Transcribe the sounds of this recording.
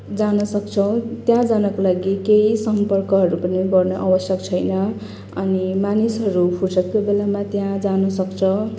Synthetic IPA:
d͡zanʌsʌk̚t͡sʰʌw̃t̪jãd͡zanʌkolaɡikeisʌmpʌrkʌɦʌɾupʌniɡʌrnʌʔawʌsjʌkt͡sʰʌjnʌ | ʌnimanisɦʌɾupʰusʌkt̪ːobelamat̪jãd͡zanʌsʌkt͡sʰʌ

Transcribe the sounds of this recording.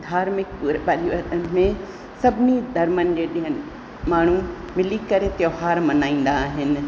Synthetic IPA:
d̪ʱaːɾmɪk̚puːɾbɐɗiʋəɗənɪ̆mẽ | sɐbʱɪnid̪ʱɐɾmənɪ̆d͡ʑeːɗĩɦənɪ | maːɳ̤u | mɪlikɐɾet̪joɦaːɾmɐnaːĩːn̆d̪aːɦɪnɪ̆

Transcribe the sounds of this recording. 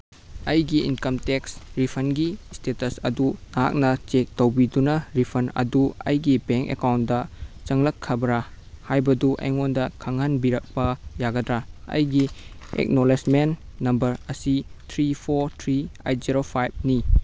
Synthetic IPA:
ɐjɡiinkɐmteksɾipʰɐnɡistetɐsɐ̰dunaa̰k̚nɐt͡ʃek̚tɐwbidunɐɾipʰɐnɐ̰duɐ̰jɡibeŋkḛkawntdɐt͡ʃɐŋlɐkʰːɐbɾa | hajbɐduʔḛjŋondɐkʰɐŋhɐnbiɾɐk̚pɐjaɡɐdɾaɐ̰jɡiḛk̚nolesmenː | ɐmbɐɾɐsitʰɾipʰoɾtʰɾia̰jt̚ziɾopʰajb̚ni

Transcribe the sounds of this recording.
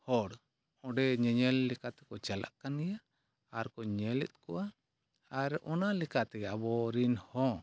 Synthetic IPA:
hɔɽ | ɔ̃ɖɛɲɛɲɛlːɛkat̪ɛ̥kɔt͡ʃalʔa̰ʔkanɛja | aɾkɔɲɛlɛ̰t̪̚kɔʔa | aɾʔɔnalɛkat̪ɛɡɛabɔɾinhɔ̃

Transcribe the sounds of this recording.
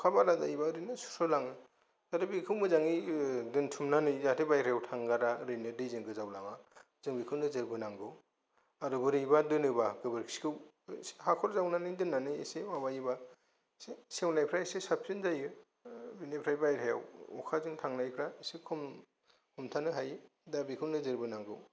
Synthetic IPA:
ɔkʰabaɾazajibaɾɯnɯsu̥sɔlaŋɯ | taɾɯbikʰɯwmɯzaŋidɯntʰumnanɯjzatʰebajɾejawtʰaŋɡaɾaɾɯjnɯdɯjzɯŋɡɯzawlaŋa | zɯŋbikʰɯnɯzɯɾbɯnaŋɡɯw | aɾɯbɯɾɯjbadɯnɯbaɡɯbɯɾkʰi̥skʰɯw | hakʰɔɾzawnanɯjdɯnːanɯjḛsemabajiba | sesewnajpʰɾajsesap̚ʰsinzajɯ | binajpʰɾajbajɾajawɔ̰kʰazɯŋtʰaŋnajpʰɾaesekʰɔm | kʰɔmtʰanɯɦaj | dabikʰɯwnɯzɯɾbɯnaŋɡɯw

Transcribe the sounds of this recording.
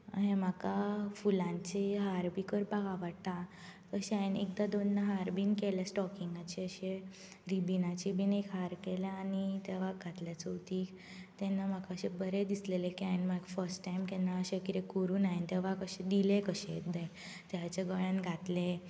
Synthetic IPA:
ɦẽmakafulãɲt͡ɕeɦaɾbikəɾbaɡaʋəɽt̪a | t̪əɕɛãjnḛk̚d̪ad̪onːaɦaɾbʱiːnkɛljasʈɔkiŋɡat͡ɕeəɕe | ɾibinat͡ɕibʱiːnekɦaɾkɛlaanit̪ɛʋ̤aɡʱat̪ljat͡səwt̪iː | t̪ɛnːam̤akaəɕebəɾed̪islelekiajnmaɡfəɾsʈːajmkɛnːaəɕekiɾekəɾuːnaint̪ɛʋakəɕed̪ilekəɕed̪e | t̪jat͡ɕaɡəɭãnɡʱat̪le

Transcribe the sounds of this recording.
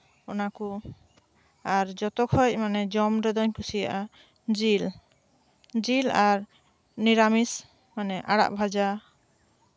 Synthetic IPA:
ɔnaku | aɾd͡ʒɔt̪ɔkʰɔc̚manɛd͡ʒɔmɾɔd̪ɔɲkʰusija̰ʔa | d͡ʒil | d͡ʒilaɾ | niɾamis | manɛʔaɽa̰ʔbʱad͡ʒa

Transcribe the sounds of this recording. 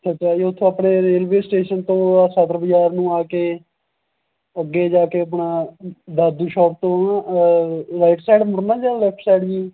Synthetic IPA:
sət͡ʃaːd͡ʒiʊt̪ʰːõːapɳeːɾeːlʋeːsʈeːʃənt̪õːsət̪ɾəbəd͡ʒaːɾnũːaːkeː | əɡːeːd͡ʒaːkeːəpɳaːd̪aːd̪uːʃɔːp̚t̪õː | ɾaɪʈsajɖmʊɾnãːd͡ʒaːlɛːp̚ʰʈsaːɖd͡ʒiː

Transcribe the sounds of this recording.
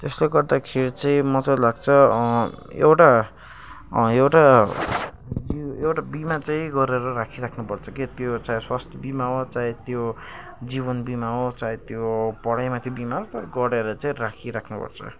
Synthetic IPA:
t̪esleɡʌrd̪akʰeɾit͡saĩmʌt͡salaɡ̚t͡sʰʌ | ḛwʈa | ewʈa | biewʈabimat͡saĩɡʌɾeɾʌɾakʰiɾakʰnupʌrt͡sʰʌkit̪jot͡saĩswast̪ʰjʌbimaɦot͡saĩt̪jo | d͡ziβʌnbimaɦot͡saĩt̪jopʌɽajmat̪ʰjibimaɾʌt̪ʌɾɡʌɾeɾʌt͡saĩɾakʰiɾakʰnupʌ̰rt͡sʰʌ̰

